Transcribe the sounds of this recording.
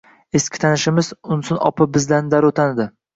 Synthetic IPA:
eskʲɪ̥t̪ʰanɪʃɪmɪzʊnsʊnɒ̰pʰabɪzland̪aɾot̪ʰanɪd̪ɪ

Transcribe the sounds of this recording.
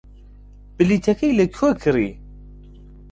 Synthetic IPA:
bəlːit̪ækæjlːækːwækɾi

